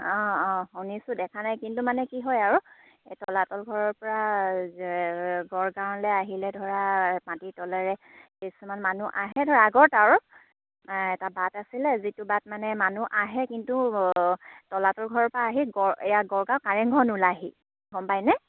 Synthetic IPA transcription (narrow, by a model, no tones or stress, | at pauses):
ɔ̃ɔ̃xonisʊdɛkʰanajkintumanɛkiɦɔjaɹu | tɔlatɔlɡʱɔɹɔɹpɔɹa | ɡɔɹɡãʊ̃lɛaɦilɛdʱɔɹapatitɔlɛɹɛkesumanmanuʔaɦɛdʱɔɹaːɡɔɹtaɹu | ɛtabatasilɛzitubat̚manɛmanuʔaɦɛkintu | tɔlatɔlɡʱɔɹɔɹpɔɹaːɦiɡɔɹɛjaɡɔɹɡãw̃kaɹɛŋɡʱɔnulaɦi | ɡɔmpajnɛ